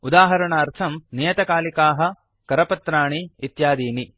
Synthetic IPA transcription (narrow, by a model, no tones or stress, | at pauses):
ud̪aːɦɐɾɐɳɐːɾt̪ʰɐmnijɐt̪ɐkaːlikaːɦɐ̆ | kɐɾɐpɐt̪ɾaːɳiːt̪jaːd̪iːni